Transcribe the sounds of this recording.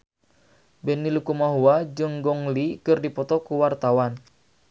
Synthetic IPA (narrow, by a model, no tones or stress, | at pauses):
bɛnilukumaɦuwad͡ʒɨŋɡɔŋlikɨrdipɔt̪ɔkuwart̪awan